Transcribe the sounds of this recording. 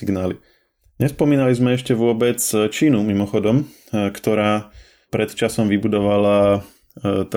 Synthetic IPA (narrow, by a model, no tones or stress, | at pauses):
iɡnaːli | ɲɛspɔmiːnalizmɛɛʃcɛʋʊɔbɛt͡st͡ʃiːnumimɔxɔd̪ɔm | kt̪ɔɾaː | pɾɛt̪t͡ʃasɔmʋibud̪ɔʋala | t̪